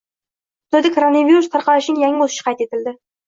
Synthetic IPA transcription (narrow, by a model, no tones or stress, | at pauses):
d̪̥ʊd̪ɪkʰoɾonaviɾust̪ʰaɾqɑlɪʃɪnɪŋjaŋɪozɪ̥ʃɪ̥qʰɑjt̪et̪ɪld̪ɪ